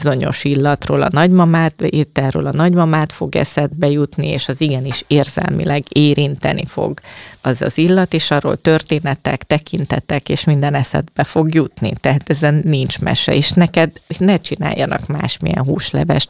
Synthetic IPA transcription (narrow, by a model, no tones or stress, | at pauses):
zo̞ɲo̞̰ʃilːɒt̪roːlɒ̰nɒɟmɒmaːt̪et̪ːɛrø̰ːlɒnɒɟmɒmaːt̪fo̞ɡɛ̰sɛd̪̚bɛjut̪nieːʃɒziɡɛniʃeːrzɛ̰lmḭlʔɛɡeːɾint̪ɛ̰nʔḭfo̰ɡɒzɒ̰zilːɒt̪eːʃɒro̰ːlt̪ø̞rt̪eːnɛt̪ɛkt̪ɛkint̪ɛt̪ɛkeːʃmind̪ɛnɛsɛ̰d̪bɛfo̞ɡjut̪nḭt̪ɛɦaːt̪ɛzɛnːint͡ʃmɛ̰ʃɛ̰eːʃnɛkɛd̪nɛt͡ʃina̰ːjːɒnɒ̰kma̰ːʃmḭjɛ̰nɦuːʃlɛ̰vɛʃt̪